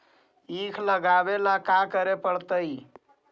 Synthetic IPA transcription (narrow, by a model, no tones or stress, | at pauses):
ikʰləɡabelakakəɾepəɽt̪əi